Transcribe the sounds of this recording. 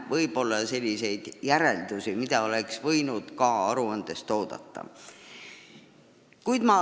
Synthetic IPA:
vɤjb̥o̞lːɑse̞lʲːise̞jd̪̥jæɾe̞ld̪̥usimid̪̥ɑo̞le̞ksvɤjnud̪̥kɑɑɾuɑnd̪̥e̞st̪o̞ːd̪̥ɑ̰t̪ːɑ̰ | kujd̪̥mɑ

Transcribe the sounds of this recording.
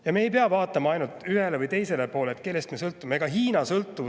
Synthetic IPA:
jɑme̞ːjp̬eɑvɑːt̪ːˑɑmɑɑjnult̪ˑyhe̞levɯjt̪e̞jse̞lepo̞ːleːt̪̚ke̞lːe̞st̪mesɤlt̪ːˑumeɡ̥ɑɦiːnɑsɤlt̪ːˑu

